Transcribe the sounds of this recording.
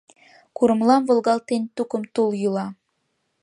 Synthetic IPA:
kuɾə̆mlɑmvŏlˠɣɑlt̪ent̪ukəmt̪uljulɑ

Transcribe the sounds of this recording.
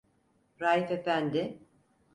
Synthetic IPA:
ɾaːjife̞fænd̪ɪ

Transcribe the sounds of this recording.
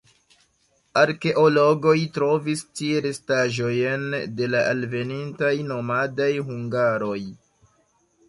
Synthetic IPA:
aɾke̞ʔo̞lo̞ɡo̞jtɾo̞vistieɾestaʒo̞jnde̞laʔalve̞nintajno̞madajɦuŋɡaɾo̞j

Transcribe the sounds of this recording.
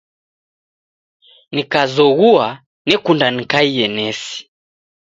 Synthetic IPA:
nikazɔɣua | nɛkundanikaijɛnɛsi̥

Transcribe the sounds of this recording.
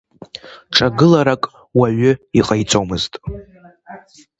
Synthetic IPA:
ʈ͡ʂʰaɡɨlaɾakʼ | waɥʏiqʼajt͡sʷʰʼowmɨztʼ

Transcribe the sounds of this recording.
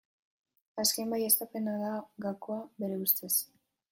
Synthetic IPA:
askembajest̪ape̞naðaɡakoaβe̞ɾe̞ust̪e̞s

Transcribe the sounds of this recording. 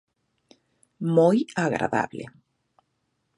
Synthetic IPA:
mojaɣɾa̰ða̰βlḛ

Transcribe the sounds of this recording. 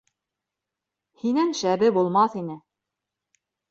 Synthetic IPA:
hinænʃæbɘbulˠmɑθinɘ

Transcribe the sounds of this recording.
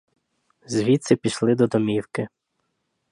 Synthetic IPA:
zʲʋʲit̪sɪpʲiʃlˠɪd̪ɔd̪ɔmʲiwkɪ

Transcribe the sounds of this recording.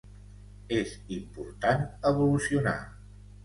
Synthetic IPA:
ezimpuɾt̪anəβulusiuna̰

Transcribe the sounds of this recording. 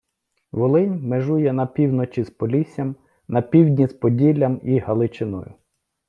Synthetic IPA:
ʋɔlˠɪnʲmeʒujɛnɐpʲiwnɔt͡ʃʲispɔlʲisʲjɐm | nɐpʲiwdʲnʲispɔdʲilʲːɐmihɐlˠɪt͡ʃɪnɔ̰jʊ̰

